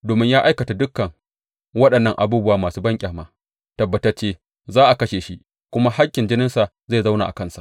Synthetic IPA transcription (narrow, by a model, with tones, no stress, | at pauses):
doː˨mɪ˦ɲjaː˦ʔa˦jkɐ˨ta˨dʊ˦kːɐ˨ŋ | wɐ˦ɗɐ˨nːɐ˦ŋʔa˨buː˦bʊ˦waː˨maː˨suː˦bɐ˦ŋkʲʼaː˨maː˨ | tɐ˨bːɐ˨tɐ˦t͡ʃeː˦ | zaː˦ʔa˨kɐ˦ʃeː˨ʃi˦ʔ | kʷʊ˦ma˦ha˦kʲːɪ˨nd͡ʒɪ˦nɪ˦nsa˨ | ze˦˨za˦wna̰ː˨ʔa̰˨kɐ˦nsa̰˨ʔ